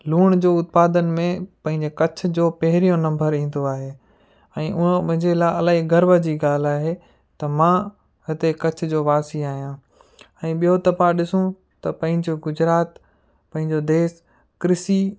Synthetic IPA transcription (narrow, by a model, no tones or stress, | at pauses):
luːɽ̃d͡ʑoːʊt̪̚paːd̪ən̆mẽpɐ̃ɦɪ̃ɲd͡ʑekɐt͡ɕʰʊ̆d͡ʑoːpɐɦɪɾijõnɐ̃mbəɾĩːn̆d̪oaːɦeː | ɛ̃ːʔʊñɦɪ̃ɲd͡ʑelaːɐlaːiɡɐɾbəd͡ʑiːɡaːl̤aːɦe | t̪ɐmã | ɦɪt̪ekɐt͡ɕʰʊ̆d͡ʑoːʋaːsiaːɦijãː | ɛ̃ːɓijot̪ɐpaɗɪsũ | t̪ɐpɐ̃ɦɪ̃ɲd͡ʑoɡʊd͡ʑɾaːt̪ | pɐ̃ɦɪ̃ɲd͡ʑod̪eːs | kɾɪsi